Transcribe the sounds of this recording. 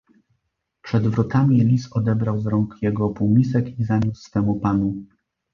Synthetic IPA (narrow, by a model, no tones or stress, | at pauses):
pʂɛd̪vɾɔt̪amʲilʲisɔd̪ɛbɾawzɾɔŋkjɛɡɔpumʲisɛkizaɲussfɛmupanu